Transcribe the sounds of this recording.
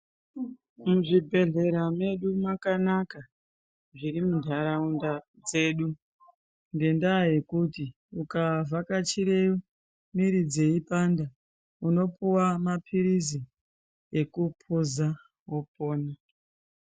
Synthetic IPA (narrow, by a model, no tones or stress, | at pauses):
muʐibʱe̞ɮe̞ɾame̞ɗumakanaka | ʐiɾimundʱaɾaunda | d͡ze̞ːɗu | nɡe̞ndaje̞kuti | ukavʱakat͡ʃiɾeju | miɾid͡ze̞ipanda | uno̞puwamapʰiɾizi | ekupʰuza | wo̞po̞ːna